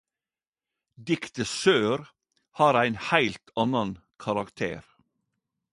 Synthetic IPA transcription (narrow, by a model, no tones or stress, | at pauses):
d̪ɪkt̪əsøːɾ | hɑːɾæɪnhæɪlt̪ʰɑnɑnkʰɑɾɑkt̪ʰḛːɾ